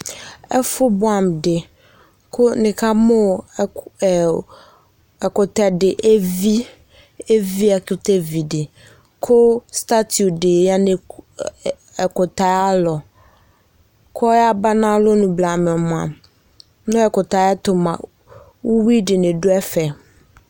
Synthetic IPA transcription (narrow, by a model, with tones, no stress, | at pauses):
ɛ˦fʊ˦bʊ˦ã˨mdɪ˨ | kʰʊ˦nɪ̃˨kʰa˦mʊ̃˦˨ | ɛ˨kʊ˨tɛ˨dɪ˨ʔe˦vi˦ | e˦vi˦a˨kʊ˦tʰɛ˦vi˨dɪ˨ | kʰʊ˦sta˦tʰu˨de˨a˦nɪ̃˨ | ɛ˨kʊ˨ta˨˦a˦lɔ˨ | kʰɔ˦a˦ba˦nã˦lʊ˦nũ˨bla˨mɪ̃˨ɔ˨mʊ̃˨ã̰˨m | nʊ̃˦ɛ˨kʊ˨ta˨˦ɛ˦tʊ˨mã̰˨ | wu˦wi˦dɪ˨nɪ̃˨dʊ˦ɛ˦fɛ˨